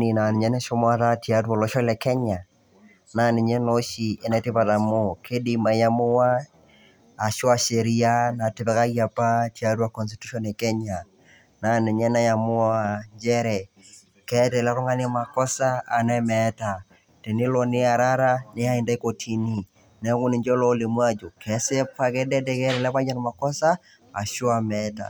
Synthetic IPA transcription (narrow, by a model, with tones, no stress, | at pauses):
ni˨na˨nɪ˨ɲɛ˦nɛ˦ʃo˦mwa˦ta˦ti˨a˦ta˨lɔ˦ʃɔ˦lɛ˨kɛ˦ɲa˨ | na˦nɪ˨ɲɛ˦no˦ʃi˨ʔɛ˨nɛ˦tɪ˦pa˨ta˨mo˦kʰe˦di˨ma˨ja˦mʊ˦waː˦˨ | ʃwa˦˨ʃe˨ɾi˦a˦na˨tɪ˨pɛ˦ka˦ja˨pa˦tia˨˦twa˦˨kɔ˨nsti̥˨tu˦ʃɔ˦ne˨kɛ˦ɲa˨ | na˨nɛ˨ɲɛ˦nɛ˦ja˨mʊ˦a˦a˨ɲd͡ʒɛ˦ɾɛ˨ | kɛ˦tɛ˨lɛ˦ɾɔ˦ŋɡa˦nɛ˦ma˨kɔ˦saː˦˨nɛ˦mɛta˨ | tɛ˨ne˦lɔ˨nɪ˦a˨ɾa˦ɾa˦ne˦a˦i˨nda˦i˦kotʰi˨ni˦ | nɛ˨˦kʊ˦nɪ˨ɲd͡ʒɔ˦lɔ˦le˨mwa˦d͡ʒo˨kʰɛsɛ˦pa˦kɛ˦dɛ˦dɛ˦kɛ˦ɾɛ˨lɛ˦ka˦ɲa˦nma˨kɔ˦sa˦ | a̰˨ʃo˦a˨mɛta̰˨